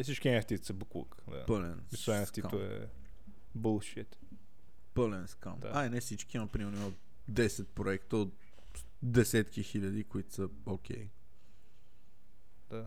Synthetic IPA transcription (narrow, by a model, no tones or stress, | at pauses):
ɛsit͡ʃkʲiɛft̪it̪səbukṵkd̪a̰pəlɛ̰nisɛnft̪ikat̪oɛ̰ | bulˠʃit̪ | pəlɛnska̰najnɛfsit͡ʃkinɐpɾimɛɾnoimət̪ | d̪ɛsɛt̪̚pɾoɛkt̪əot̪ | d̪ɛsɛt̪k̟ixiʎʲɐd̪ikoit̪ʊ̥sə | okʰʲɛ̰j | d̪̥a